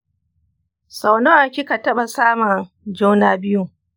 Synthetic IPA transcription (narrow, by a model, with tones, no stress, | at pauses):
sa˨wno˦ʔa˨kʲɪ˦ka˨tɐ˦ɓa˨saː˦mɐ˨ | d͡ʒoː˦naː˦bɪ˦ju˦˨